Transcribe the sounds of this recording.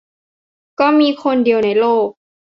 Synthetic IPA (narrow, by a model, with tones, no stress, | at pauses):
kɔː˥˩miː˧kʰo˧ndi˧əwna˧˩jloː˥˩k̚